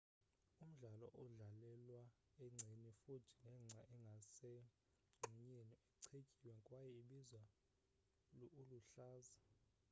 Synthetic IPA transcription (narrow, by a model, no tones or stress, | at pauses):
um̩ɮalɔʔɔɮalɛlwa | ɛŋ͡ǀʱenifutʰi̥nɛŋ͡ǀʱaʔɛŋɡʱasɛ | ŋ͡ǀʱuɲeniɛǀʰekʼiwɛŋkʼwajɛiɓizwa | luuluɬaːza